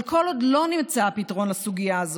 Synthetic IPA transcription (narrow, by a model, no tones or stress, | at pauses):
lko̞lodlo̞nimt͡saapitaʁo̞nlasuɡijaːz